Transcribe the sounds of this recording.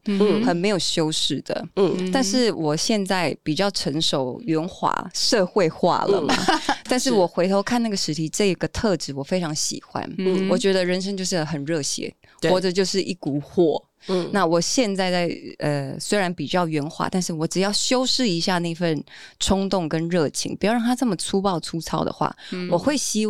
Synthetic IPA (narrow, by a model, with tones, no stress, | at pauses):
xə˨˩nme˧˥ɪjo˨˩ʊɕjo˥ʊʂɻ̩˥˩d̪̥ə̰˩˨t̪a˥˧nʂɻ̩˥˩wɔ˨˩ɕjɛ˥˧nt͡sa˥˩ɪpi˨˩t͡ɕjɑ˥˩ʊʈ͡ʂʰə˧˥ŋʂo˨˩ʊɥɛ˧˥nxwa̰˨˧˩ʂɤ˥˧xwe˥˧ɪxwa̰˥˩lə̰˩˨ma̰˩t̪a˥˧nʂɻ̩˥˩wɔ˨˩xwe˧˥ɪt̪ʰo˧˥ʊkʰa˥˧na˥˩ɡə˩ʂɻ̩˧˥t̪ʰi˧˥ʈ͡ʂɤ˥˩i˧˥ɡ̥ə˩t̪ʰɤ˥˧ʈ͡ʂɻ̩˨˩wɔ˨˩fe˥ɪʈ͡ʂʰɑ˧˥ŋɕḭ˨˩xwa̰˧˥nwɔ˨˩t͡ɕɥɛ˧˥d̪ə˧ɻə˧˥nʂ̬ə˥ŋt͡ɕjo˥˧ʊʂ̬ɻ̩˥˩xə˨˩nɻɤ˥˩ɕjɛ̰˧˥n | xwɔ˥˩ʈ͡ʂə˨˩t͡ɕjo˥˧ʊʂɻ̩˥˧ʔi˥˩ku˨˩xwɔ˥˩ | na˥˩wɔ˨˩ɕjɛ˥˧nt͡sa˥˧ɪt͡sa˥˩ɪə̰˧swe˥ɪɻa˧˥npi˨˩t͡ɕjɑ˥˩ʊɥɛ˧˥nxwa̰˧˥t̪a˥˧nʂɻ̩˥˩wɔ˨˧˥ʈ͡ʂɻ̩˨˩jɑ˥˩ʊɕjo˥ʊʂɻ̩˥˩i˧˥ɕja˥˧na˥˩i˧˥fə˥˩n | ʈ͡ʂʰʊ˥ŋt̪ʊ˥˩˨ŋkə˦˥nɻɤ˥˩t͡ɕʰḭ˧˥ŋpu˧˥jɑ˥˧ʊɻɑ˥ŋʰ˧a˥ɤ˥˩mə˩t͡sʰu˥pɑ˥˩ʊʈ͡ʂʰu˥t͡sʰɑ˥ʊd̪ə̰˨xwa̰˥˩wʔɔ˨˩xwe˥˩ɪɕi˥